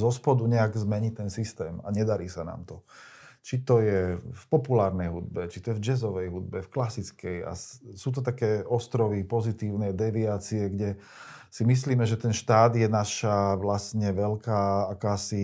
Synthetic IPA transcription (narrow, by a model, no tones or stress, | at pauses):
zɔspɔd̪uɲɛaɡzmɛɲit̪ɛnsist̪ɛːma̰ɲɛd̪aɾiːsana̰ːmt̪ɔt͡ʃit̪ɔjɛfpɔpulaːɾnɛjɦud̪̚bɛt͡ʃit̪ɔjɛvd͡ʒɛzɔʋɛjɦud̪̚bɛfklasit͡skɛja̰suːt̪̬ɔt̪̬akɛːɔst̪ɾɔʋipɔzit̪iːʊnɛd̪ɛʋiaːt͡siɛɡɟɛ | simis̬liːmɛʒɛt̪ɛnʃt̪aːd̪jɛnaʃaʋlastɲɛʋɛʎkaːakaːsi